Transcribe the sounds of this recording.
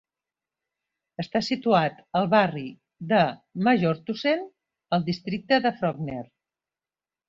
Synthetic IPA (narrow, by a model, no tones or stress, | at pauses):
əst̪asit̪uat̪əlˠβari | d̪əməʒoɾt̪usen | əlˠd̪ist̪ɾik̚t̪əðəfɾɔɡneɾ